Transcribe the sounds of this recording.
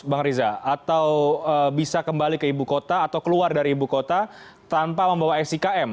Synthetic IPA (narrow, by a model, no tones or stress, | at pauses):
baŋɾizaat̪awəbisakəmbalikəibukot̪aːt̪awkəluardaɾiːbukot̪a | t̪ampaməmbawaɛsikaʔɛm